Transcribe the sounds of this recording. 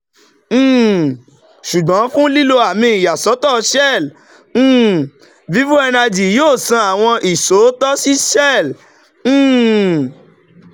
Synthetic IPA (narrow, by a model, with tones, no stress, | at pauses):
ʃu˨ɡ͡bɔ̃˨˦fũ˦li˦lo˧a˨mĩː˧˦i˨ja˨sɔ˨˦tɔ˦˨ʃɛ˦˨l̩̃ː˦˨ | vi˨˦vu˦ɛ˧na˧d͡ʒi˨joː˦˨sã˧a˨w̃ɔ̃˧ʔi˨so˨˦tɔ˦si˦ʃɛ˦˨l̩̃ː˦˨